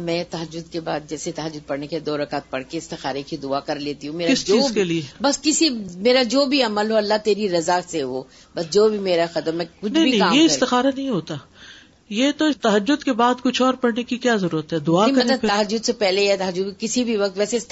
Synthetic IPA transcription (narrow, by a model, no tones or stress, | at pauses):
mɛ̃t̪ɐɦəd͡ʒːʊd̪kebaːd̪̚d͡ʒɛːset̪ɐɦəd͡ʒːʊd̪̚pɐɽnekeid̪oːɾɐkaːt̪̚pɐɽkeɪst̪ɪxaːɾekid̪ʊakɐɾleːt̪iɦũmeːɾkɪst͡ʃoiːkeliebɐskɪsimeːɾad͡ʒoːbʱiɐməlɦoɐlːat̪eːɾiɾɐzaːkseʋoː | bɐs̬d͡ʒoːbʱimeːɾaxɐt̪əmɛ̃kʊt͡ʃnɐ̃ɦibʱiɐɦĩːmjeɪst̪ɪxaːɾanɐɦĩɦoːt̪aː | jet̪oɪt̪ɐɦəd͡ʒːʊd̪kebaːd̪kʊt͡ʃʰɔːɾpɐɽnekikjaːzɐɾuːɾət̪ɦɛːd̪ʊakɐɐt̪lɐt̪ɐɦəd͡ʒːʊd̪sepɛɦleɛt̪ɐɦəd͡ʒʊd̪kɪsibʱiʋɐk̚t̪ʋɛːseɪs